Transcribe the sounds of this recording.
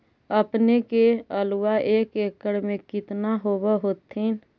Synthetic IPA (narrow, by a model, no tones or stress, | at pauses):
əpnekeəluwaʔeːkeːkəɽmẽkɪt̪naɦoːbəɦoːt̪ːin